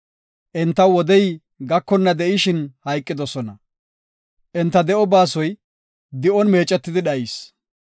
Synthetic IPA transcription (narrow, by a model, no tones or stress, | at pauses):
ʔɛnt̪ːɐwɔd̪ɛj | ɡɐkːɔnːɐd̪ɛʔɪʃɪnhɐjkʼːɪd̪ɔsɔnɐ | ʔɛnt̪ːɐd̪ɛʔɔbaːsɔj | d̪ɪʔɔnme̞ːt͡ʃʼːɛt̪ːɪd̪ɪɗɐʔɪs